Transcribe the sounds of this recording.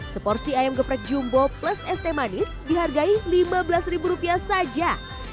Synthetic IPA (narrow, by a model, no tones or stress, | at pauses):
səpɔrsiajamɡəpɾɛk̚d͡ʒumbɔpləsɛst̪emanɪsdiɦarɡailimabəlasribuɾupiasad͡ʒa